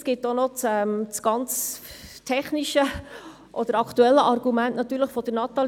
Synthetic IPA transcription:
sɡ̥ɪtːonɔt͡sɛmt͡sɡ̥ɑnt͡stʰɛχniʃə | ʔɔd̪əɾɑkt̪uɛlːəʔɑɾɡ̥umæntnɑt̪ːyːɾləχfɔd̥̪əɾnɑt̪ɑl

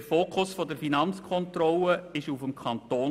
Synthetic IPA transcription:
ɾfoːkʰʊsfɔdəɾfinɑnt͡skʰɔnt̪ɾɔləɪʃufəmkʰχɑnt̪oːn

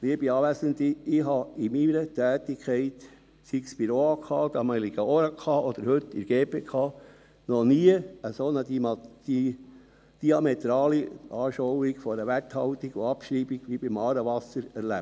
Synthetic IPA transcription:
liəbiɑːʋæsənt̪iɪɦɑimiɾət̪æːt̪ikʰχɛɪt̪ | sikspiɾoɑkʰɑːd̪ɑmɛliɡ̥əoɾɑkʰɑːʔɔd̥̪əɾhɵt̪ːḭɾɡ̥eːpeːkʰχɑː | nɔniəəsonə̥i | d̥iɑmɛt̪ɾɑːliʔɑːʃowiɡfɔɾəʋæthɑwt̪iɡ̥ʊɑpʃɾiːbiɡ̥ʋibɪmɑːɾəʋɑsəɾæɾlæp̚

